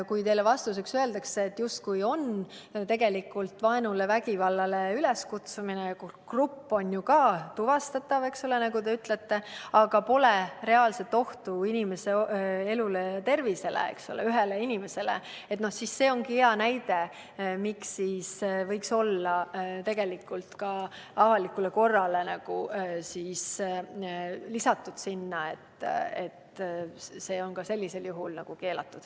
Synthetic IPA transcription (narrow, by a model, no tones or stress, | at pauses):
kujt̪e̞jlevɑst̪use̞ksøe̞ld̪ɑkseːt̪ːjust̪̚kujo̞n | t̪e̞ɡe̞likːˑult̪vɑenulevæɡivɑlːɑle̞yle̞skut̪suminekkrupːo̞njukɑːt̪uvɑst̪ɑt̪ːˑɑve̞ksole̞nɑɡut̪e̞yt̪le̞t̪ːe̞ɑɡ̥ɑpo̞lere̞ɑːlset̪ːo̞ht̪uinʲime̞se̞e̞lulet̪e̞rvise̞lḛḛksolḛyɦeleinʲime̞se̞lḛ | et̪no̞hsisːe̞ːo̞ŋkieɑnæjd̪e̞ | miksːiːsvɤjkso̞lːɑt̪e̞ɡ̥e̞likːˑult̪kɑ | ɑvɑlikːˑuleko̞rːɑle̞nɑɡ̥usiːs | lisɑt̪ːˑud̪̥sinːɑe̞̰t̪ːḛt̪ | se̞ːo̞nkɑse̞lʲːise̞ljuɦulnɑɡ̥uke̞ːlɑ̰t̪ːud̪̥